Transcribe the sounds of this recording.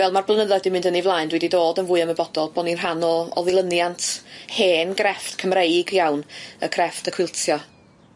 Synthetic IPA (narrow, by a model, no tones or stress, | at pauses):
vɛlˠmarblˠənəðɔdɪmɪ̃ndənivlˠaːjndwɛdidoːdənvʊɨaməbɔdɔlˠb̥oninranɔɔ̰ðɪɨlˠənjantʰheːnɡrɛftkʰəmrejɡjawnəkʰrɛftʰəkʰwɪlˠtʰjɔ